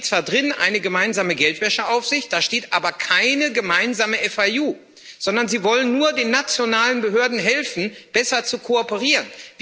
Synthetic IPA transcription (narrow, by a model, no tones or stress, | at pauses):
t͡sv̥aːɐdʁɪnʔa̰ɪnəɡəmaɪnzaːməɡɛltv̥ɛʃəʔaʊfz̥ɪçt̚d̥aːʃteːtʔaːbɐkʰaɪnəɡəmaɪnzaːməʔɛfauː | z̥ɔndɐnziːvɔlənːuːɐdeːnːat͡sjonaːlənbəɦøːɐdn̩ɦɛlfn̩b̥ɛsɐt͡sukʰoɔpəʁ̞iːʁənv